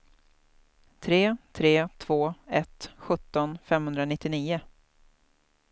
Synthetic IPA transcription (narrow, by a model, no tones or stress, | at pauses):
t̪ʰɾeːt̪ʰɾeːt̪ʰv̥oːɛt̪ɧɵt̪ːɔnfɛmhɵnd̪ɾanɪt̪ːɪniːʊ